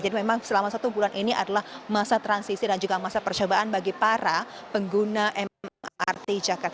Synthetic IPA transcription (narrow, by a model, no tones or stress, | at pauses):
d͡ʒadimemaŋsəlamasat̪ubulanʔiniʔa̰dalahmasat̪ɾansisidand͡ʒuɡamasapərt͡ʃobaʔanbaɡipaɾapəŋɡunaʔɛmma̰rt̪id͡ʒakart̪